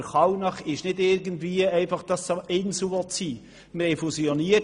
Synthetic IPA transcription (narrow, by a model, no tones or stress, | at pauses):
χɑwnɑχɪʃnɪdɪɾɡəndviːəɛɪfɑχd̥ɑsɛnsuɔt͡siː | məhɛɪfusioniə